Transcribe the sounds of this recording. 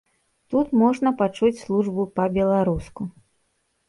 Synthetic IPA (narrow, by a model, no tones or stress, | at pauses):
t̪ut̪mɔʐnɐpat͡ʂut͡sʲslˠuʐbupɐbʲɛlˠaɾusku